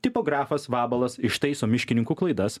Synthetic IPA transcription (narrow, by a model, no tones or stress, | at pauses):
t̪ʲɪpoːɡɾɑːfɐsʋɑːbɐlˠɐsɪʃt̪ɐɪsoːmʲɪʃʲkʲɪnʲɪŋkuklˠɐɪd̪ɐs